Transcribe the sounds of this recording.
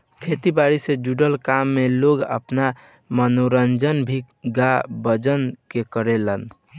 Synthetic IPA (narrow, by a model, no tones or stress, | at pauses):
kʰet̪ibaɾised͡ʒuɖəlkamːeloɡə̰pna | mənoɾənd͡ʒənbʱi | ɡabəd͡ʒənkekəɾelən